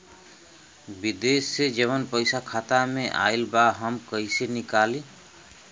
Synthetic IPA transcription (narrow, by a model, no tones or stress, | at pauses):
bid̪esːed͡ʒəβənpəɪsakʰat̪ameʔa̰ɪlbaɦəmkəisenikali